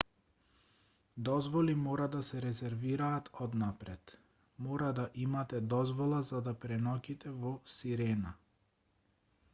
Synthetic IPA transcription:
d̪ɔzvɔlimɔɾad̪asɛɾɛzɛɾviɾaːt̪ɔd̪napɾɛt̪ | mɔɾad̪aʔimat̪ɛd̪ɔzvɔlˠazad̪apɾɛnɔkʲit̪ɛvɔsiɾɛna

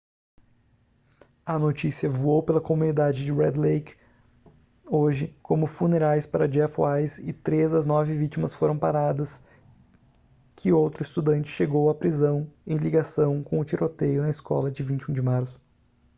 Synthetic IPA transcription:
ɐnot͡ʃisiɐvuowpelɐkomunid̪ad͡ʒɪd͡ʒɪɾɛd̪lejk | oʒɪkʰõmʊfuneɾajspaɾɐd͡ʒɛfajzɪt̪ɾezd̪ɐznɔvɪvit͡ʃimɐsfoɾɐ̃w̃paɾad̪ɐs | kʰɪowt̪ɾʊɪst̪ud̪ɐ̃nt͡ʃɪ̥ʃeɡowapɾizɐ̃w̃ẽj̃liɡasɐ̃w̃kõʊt͡ʃiɾot̪ejʊnɐɪskɔ̰lɐd͡ʒɪvĩnt͡ʃɪũd͡ʒɪmaɾsʊ̥

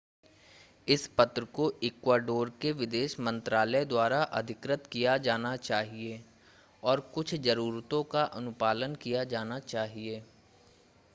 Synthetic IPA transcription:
ɪspɐt̪ɾəkoɪkwaːɖoːɾkeʋɪd̪eːʃmə̃nt̪ɾaːləd̪waːɾaʔɐ̰d̪ʱɪkɾɪt̪kijad͡ʒaːnat͡ʃaːɦieː | ɔːɾkʊt͡ʃʰd͡ʒɐɾuːɾt̪õkaʔɐnʊpaːlənkijad͡ʒaːnat͡ʃaːɦieː

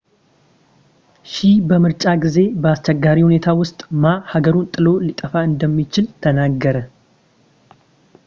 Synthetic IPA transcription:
ʃibəmɨɾt͡ʃʼaɡize̞bəast͡ʃɛɡːaɾihune̞t̪ʰawʊst̪ʼmahaɡəɾunt̪ʼɨlo̞lit̪ʼəfaɨnd̪əmːit͡ʃɪlt̪ʰənaɡːəɾə

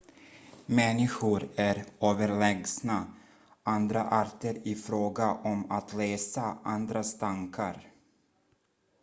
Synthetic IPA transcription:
mɛnːɪɧʊɾæɾøːvəɾɭɛɡsna | and̪ɾaʔaɾt̪əɾɪfɾoːɡaʔɔmat̪lɛːsaʔand̪ɾast̪ʰaŋkʰa̰ɾ

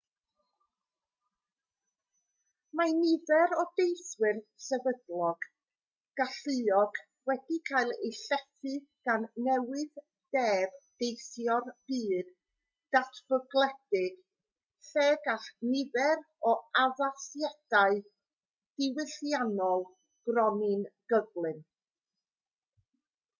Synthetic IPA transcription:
manɪvɛɾɔdejθwɪrsɛvədlˠɔɡ̥ | ɡ̥aɬɨɔɡ̥ | wɛd̥ikʰaɨlˠejɬɛθɨɡ̥anːɛwɪð | d̥ɛːv̥d̥ejθjɔrb̥iːd̥ | d̥atʰv̥əɡlˠɛd̥ɪɡ̥ | seːɡaχnɪvɛɾ | ɔavasjad̥aɨ | d̥ɪwɪɬjanɔlˠ | ɡ̥rɔnɪnɡ̥əɡlˠɨn

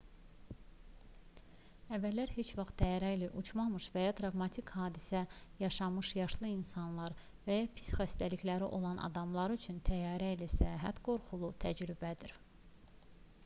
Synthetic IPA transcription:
ævːælːæɾhet͡ʃvɑχt̪̚d̪æjɑɾæilæʔut͡ʃʰmɑmɯʃvæjɑt̪ʰɾɑvmɑt̪ʰikhɑːd̪isæjɑʃɑmɯʃjɑʃlˠɯinsɑnlˠɑɾ | væjɑpʰi̥sxæst̪æliçlæɾiʔo̞lˠɑnʔɑ̰d̪ɑmlˠɑɾyt͡ʃʰynt̪ʰæjɑːɾæilæsæɑɦæt̪ɡ̥o̞ɾχulˠut̪ʰæd͡ʒɾybæd̪iɾ

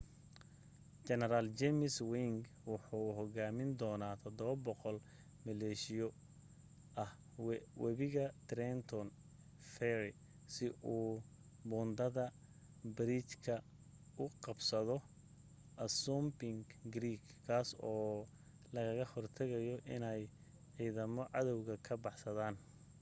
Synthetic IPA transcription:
t͡ʃɛnɛɾaːlt͡ʃɛmɪswiŋɡ | wʊħuːɦɔɣaːmɪnd̪ɔːnaːt̪ʰɐd̪ɔβɐbɔqɔl | mɪlɛːʃɪjɔ | ʔɐh | wʔɛ̰βɪɣɐt̪ɾɛnt̪ʰɔn | fɛɾɪ | sɪʔuː | bɔːnd̪ɐðɐ | bɾiːt͡ʃkʰɐ | ʊqɑbsɐðɔ | ʔɐsuːmbɪŋɡɡɾiːkʰːaːsɔː | lɐɣɐɣɐhɔrt̪ʰɐɣɐjɔʔɪ̰nɛj | ʕiːðɐmɔʕɑðɔwɣɐkʰɐbɑħsɐðaːn

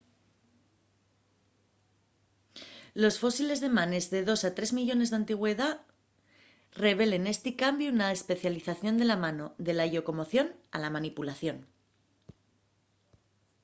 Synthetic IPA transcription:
lo̞sfo̞sile̞zðe̞mane̞zðe̞ðo̞sat̪ɾe̞zmiʎo̞ne̞zðant̪iɣ̞we̞ða | re̞β̞e̞le̞ne̞st̪ikambjuunaespe̞θjaliθaθjo̞nd̪e̞lamano̞ðe̞laʝo̞ko̞mo̞θjo̞na̰lamanipulaθjo̞n

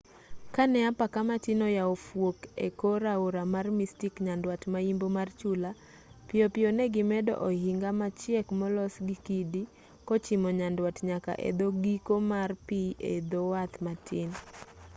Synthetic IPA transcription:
kanɛapakamatinɔjaofwokḛkoɾaoɾamarmistikɲandwatmaimbomart͡ʃula | pɪopɪonɛɡɪmɛdɔ̰ʔɔhiŋɡamat͡ʃjɛkmɔlɔsɡikidi | kɔt͡ʃɪmɔɲandwatɲaka̰ʔɛ̰d̪oɡikomarpiʔḛd̪owat̪matɪn

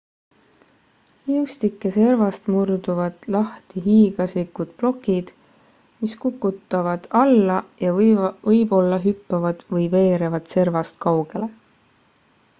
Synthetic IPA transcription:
iust̪ikˑːe̞se̞rvɑst̪murd̪uvɑd̪̥lɑht̪iɦiːɡ̥ɑslikːud̪̥̚plo̞kːˑid̪̥ | miskukːˑut̪ːˑɑvɑd̪̥ɑlːɑjɑvɤjb̥o̞lːɑɦypːɑvɑd̪̥vɤjve̞ːɾevɑd̪̥se̞rvɑst̪̚kɑwɡ̥e̞le̞

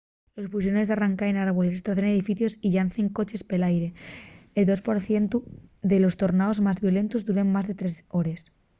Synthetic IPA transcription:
lospus̬jone̞saraŋkaenaɾβole̞st̪ɾoθene̞ðifiθjo̞siʎanθe̞ŋko̞t͡ʃe̞spelajɾe̞eld̪o̞spo̞ɾθjent̪uðe̞lo̞st̪o̞ɾnaozmazβjo̞le̞nt̪uzðuɾemmazðet̪ɾe̞so̞ɾe̞s

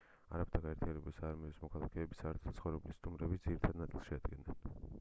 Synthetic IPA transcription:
a̰ɾamit̪ʰaɡaɛɾt̪ʰianɛbulisaːɾmiɔsmɔkʰalˠakʰɛːbisaɛɾt̪ʰt̪sχɔvɾɛblist̪ʼumɾɛbisd̪ziɾit̪ʰad̪nat̪sʼilˠsʃɛad̪ɡɛnɛn

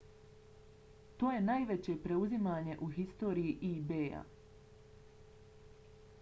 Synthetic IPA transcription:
t̪o̞ːje̞naːjʋet͡ɕe̞pɾe̞uzimaːɲe̞ʔuɦist̪o̞ːɾijiʔibeːja̰

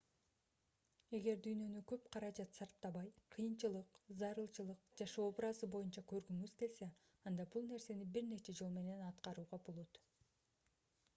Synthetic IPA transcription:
e̞ɡe̞ɾd̪yjnø̞nykø̞p̚qʰɑɾɑd͡ʒɑt̪sɑɾp̚t̪ɑβɑjqʰɯjɯnt͡ʃɯlˠɯqzɑɾɯlˠt͡ʃɯlˠɯqd͡ʒɑʃoobɾɑzɯbo̞junt͡ʃɑkø̞ɾɡyŋyzk̪else | ɑnd̪ɑbulˠne̞ɾse̞nibiɾne̞t͡ʃe̞d͡ʒo̞lˠme̞ne̞nɑt̪qɑɾuːʁɑbolˠot̪

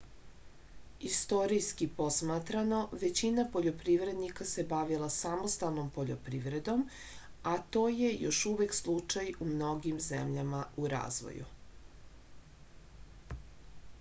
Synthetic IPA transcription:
ist̪o̞ɾijskipo̞smat̪ɾano̞ʋe̞t͡ɕinapo̞ʎo̞pɾiʋɾe̞d̪nikase̞baʋilˠasamost̪alˠno̞mpo̞ʎo̞̰pɾiʋɾe̞d̪o̞m | at̪o̞ːje̞jo̞ʃuʋekslˠut͡ʃajumno̞ɡimzḛmʎamauɾa̰ːzʋo̰jṵ

